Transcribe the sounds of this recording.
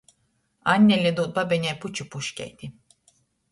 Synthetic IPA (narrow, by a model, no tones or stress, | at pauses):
anʲːelʲed̪od̪̚babenɛput͡ʃʰupuʃcɛ̰jd̪im